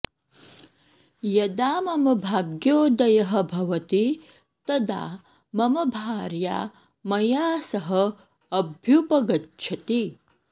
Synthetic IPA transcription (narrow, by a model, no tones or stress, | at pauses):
jɐd̪aːmɐmɐbʱaːɡjoːd̪ɐjɐɦɐ̆bʱɐʋɐt̪i | t̪ɐd̪a̰ː | mɐmɐbʱaːɾja̰ː | mɐjaːsɐɦɐ | ɐbʱjupɐɡɐtːʃʰɐt̪i